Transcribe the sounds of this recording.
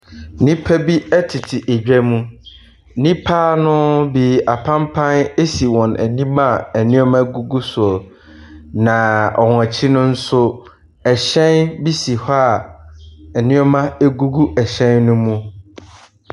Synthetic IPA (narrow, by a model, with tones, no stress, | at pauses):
nĩ˦pʰæ˦bi˦ɛ˦tʰɪ˨tʰɪ˨ʔe˨d͡ʑᶣɛ˦mũ˦ | nĩ˦pʰaː˦nʊ̃˦bi˨a˨pʰã˦mpʰã˦ne˦si˨wɔ̃˨næ̰˨nĩ˦ma˦˨æ˨nɪ̃˦ɔ˦mã˦ɡu˦ɡu˦sʊ˨ɔ˨ | nã˨ɔ˨ŋ˨a˨t͡ɕʰɪ˦nʊ̃˦n̩˦sʊ˦ | ɛ˨ɕɛ̃˦nbi˦si˨ha˦˨ | ɛ˨nɪ̃˦ɔ˦mã˦e˦ɡu˦ɡu˦ʔɛ˨ɕɛ̃˦nnʊ̃˦mũ˦